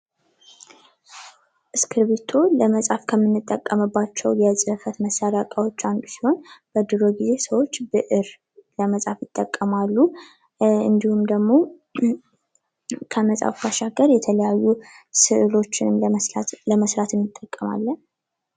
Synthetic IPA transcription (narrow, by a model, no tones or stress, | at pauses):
ʔɨskʰɨɾβet̪ʰo̞ləməsʼafkʰəmːɨnːɨt̪ʼːəkʼːəmɨbːat͡ʃːɛwjɛsʼɨɨfət̪məsːaɾakʼawo̞t͡ʃːand̪usiho̞nb̥əd̪ɨɾo̞ɡize̞səwo̞t͡ʃːbɨʔɨɾ | ləməsʼafjɪt̪ʼːəkʼːəmalːu | ɨ̰nd̪ihumd̪əɡmo̞ | kʰəməsʼa̰fkʰaʃaɡəɾjɛt̪ʰələjajːusɨʔɨlo̞t͡ʃːɪnɨmləməsɾat̪ʰɨnɨt̪ʼːəkʼːəma̰lːən